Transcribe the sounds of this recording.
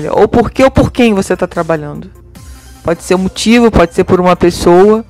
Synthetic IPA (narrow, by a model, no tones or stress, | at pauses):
ʎɐ̰ʔo̰wpoɾkeowpoɾkẽj̃voset̪at̪ɾabaʎɐ̃nd̪ʊ | pɔd͡ʒɪ̥seɾ̃mot͡ʃivʊpɔd͡ʒɪseɾpoɾũmɐpesowɐ